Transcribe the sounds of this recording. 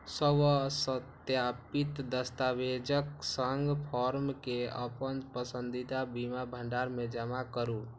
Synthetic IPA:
səbəsət̪japit̪d̪əst̪awed͡ʒəksəŋɡpʰɔɾmkeə̰pənpəsənd̪it̪abimabʱəɳɖaɾmed͡ʒəmakəɾu

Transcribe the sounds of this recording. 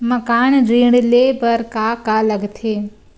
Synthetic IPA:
məkaːnɾiːɽleːbəɾkaːkaːləɡt̪ʰeː

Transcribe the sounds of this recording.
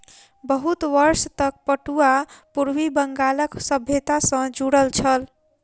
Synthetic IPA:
bəɦut̪ʋəɾst̪ək̚pəʈuapuɾwibəŋɡaləksəbʱjet̪asə̃d͡ʒuɽəlt͡ʃʰəl

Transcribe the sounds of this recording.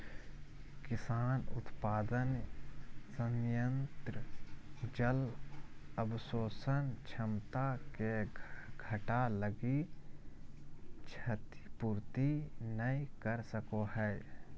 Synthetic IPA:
kɪsaːnʊ̰t̪paːd̪ən | sə̃ŋjə̃nt̪ɾəd͡ʒəl | əbsoːsənt͡ʃʰəmt̪akeɡʱəʈaləɡi | t͡ʃʰət̪i̥puːɾt̪inəĩkəɾsəkoɦɛː

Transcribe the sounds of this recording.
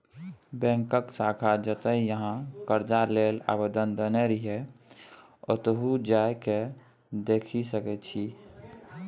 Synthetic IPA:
bɛ̃ŋkəksaːkʰad͡ʒət̪əijəɦãkəɾd͡ʒalela̰bəd̪ənd̪əneɾiɦɛ | ɔ̰t̪əɦud͡ʒaeke | d̪eːkʰisəkɛt͡ʃʰi

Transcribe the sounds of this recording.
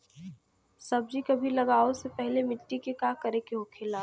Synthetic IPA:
sɐb̚d͡ʒʱikɐbʱilɐɡaːosepɛɦlemɪʈːikekakɐɾekeɦokʰeːlaː

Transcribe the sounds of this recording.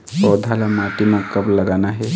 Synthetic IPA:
ɔːd̪ʱalamaːʈimãkɐblɐɡaːnaɦɛ

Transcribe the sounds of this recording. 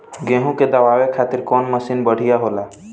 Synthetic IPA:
ɡẽɦũked̪əʋaːwekʰaːt̪ɪɾkɔːnməsinbəɽ̤ijaɦola

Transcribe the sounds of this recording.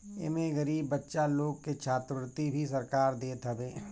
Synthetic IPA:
ɪ̰mẽɣəɾiːbːətːʃaloːɡ̚ket͡ʃʰaːt̪ɾəʋɾt̪ibʱisɐɾkaːɾd̪eːt̪ɐbeː

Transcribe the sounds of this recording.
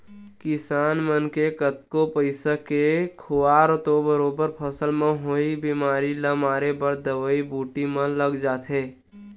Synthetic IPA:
kɪsaːnmənkekət̪̚kopəɪsakekʰʊwaːɾt̪obəɾoːbəɾpʰəsəlmẽɦoːibimaːɾiləmaːɾebəɾd̪əʋəibuːʈimə̃ləɡd͡ʒaːt̪ʰɦeː

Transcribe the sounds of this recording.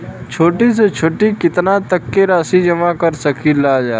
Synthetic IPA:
t͡ʃʰoːʈis̬et͡ʃʰoːʈikɪt̪nat̪əkːeɾaːsid͡ʒɐmakəɾsɐkʰilaːd͡ʒaː

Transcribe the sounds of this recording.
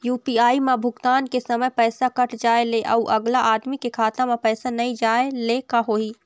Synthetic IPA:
juːpiːaːimãbʱʊɡt̪aːnkesɐməjpɛːsakɐʈʰd͡ʒaːeleʔɐuʔɐɡlaʔaːd̪mikekʰaːt̪amãpɛːsanɐɦĩd͡ʒaːelekaɦoːiː

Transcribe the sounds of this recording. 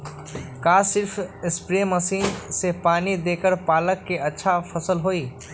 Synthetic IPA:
kasɪɾpʰɪspɾeməsiːnsepaːnid̪eːkəɾpaːləkːeətːʃʰapʰəsəlɦoːiː

